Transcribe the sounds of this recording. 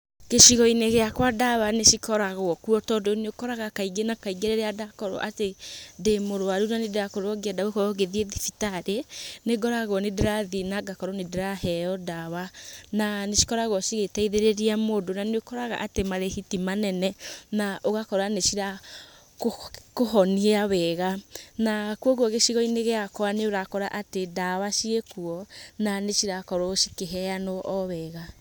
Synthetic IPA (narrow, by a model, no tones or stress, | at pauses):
keʃiɣɔineɣeakwadawaneʃikɔɾaɣwɔkuɔtɔdeoneokɔɾaɣakaiɡenakaiɡeɾeɾeadakɔɾɔ̰ʔatedemoɾoaɾunanedeɾakoɾɔɡiadawekɔɾɔɣeðieðifitaɾeneɡɔɾaɣwɔnedeɾaðinaɡakɔɾɔnedeɾaɦɛɔdawananeʃi̥kɔɾaɣwɔʃiɣetaiðeɾeɾiamoːdonaneokɔɾaɣa̰ʔatemaɾehitimanɛnɛnaʔoɣakɔɾaneʃiɾa | kkoɦɔniaβɛɣanakuɔɣwɔɣeʃiɣɔineɣeakɔaneoɾakɔɾaʔatedawaʃiekuɔnaneʃiɾakɔɾoʃi̥keɦɛanɔʔɔβɛːɣa